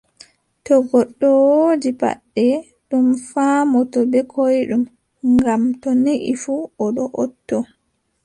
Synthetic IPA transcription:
tɔɡɔɗːɔwod͡ʒipa̰ɗːɛ | ɗumfaːmɔtɔbɛkʰojɗum | ŋɡamtɔniʔifuɔɗɔʔɔ̰tːɔ

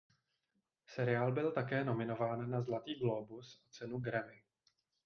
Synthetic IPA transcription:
sɛɾɪaːlbɪlt̪akɛːno̞mɪno̞vaːnːazlat̪iːɡlo̞busʔat͡sɛnuɡɾamɪ

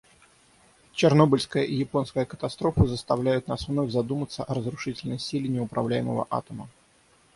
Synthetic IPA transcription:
t͡ɕɪrno̞bəlʲskəjəʔijɪpo̞nskəjəkət̪ɐst̪ɾo̞fəzəst̪ɐvlʲæjʊt̪̚nasvno̞fʲzɐd̪umət̪səʔɐɾəzɾʊʂɨtʲɪlʲnəjsʲilʲɪnʲɪʊpɾɐvlʲæjɪmə̰və̰ʔa̰t̪əmə

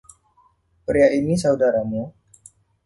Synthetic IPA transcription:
pɾiaʔinisaudaɾamu

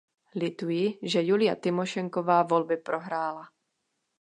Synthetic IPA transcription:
lɪt̪ujɪʒɛjulɪja̰t̪ɪmoʃɛŋkovaːvo̞lbɪpɾo̞ɦɾaːla

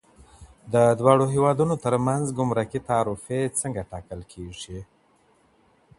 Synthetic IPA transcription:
d̪əd̪wɑɽoɦewɑd̪unot̪əɾmanzɡʊmɾakit̪aːɾufet͡səŋɡaʈɑkəlkʰeʐi

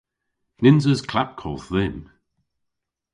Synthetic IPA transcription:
nɪnzəzkʰlap̚kʰɔlˠθðɪm

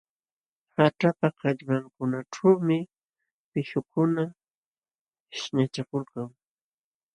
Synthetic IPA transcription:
haʈ͡ʂapakɑʎbaŋkʊnaʈ͡ʂawmɪ | pɪʃʊkʊna | ɪʃɲat͡ʃakʊlkaŋ

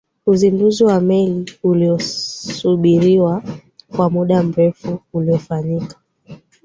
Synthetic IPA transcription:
uzinduziwamɛliuliɔsuɓiɾiwakwamuɗam̩ɾɛfuːliɔfaɲikḁ

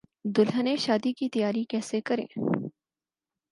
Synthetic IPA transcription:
d̪ʊlɦəneʃaːd̪ikit̪ɐjaːɾikɛːsekɐɾḛ̃ː

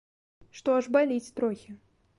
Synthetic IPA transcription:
ʂt̪oɐʂbɐlʲit͡sʲt̪ɾoxʲɪ

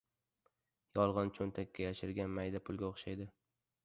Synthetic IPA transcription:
jɒlˠʁɑnt͡ʃʰont̪ʰakʲʰːajaʃɪɾɡʲanmajd̪apʰʊlˠɡʲaoχʃajd̪ɪ

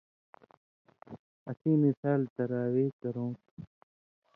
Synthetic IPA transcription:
ɐsĩːmisaːlt̪ɐɾaːweːkɐɾõːt

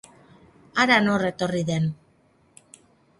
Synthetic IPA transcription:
aɾano̞re̞t̪o̞riðe̞n

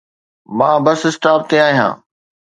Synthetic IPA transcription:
mãːbɐsɪsʈaːɾ̚t̪eaːɦijã̰ː

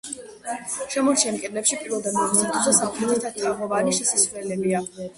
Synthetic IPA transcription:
ʃɛmɔɾt͡ʃʰiɛmkʼɛd̪lɛpʃipʼiɾɛlˠd̪amɛsʰat̪ʰuzɛsapʰlizɛt̪ʰat̪ʰːamɔvaniʃisiswlɛlɛbia

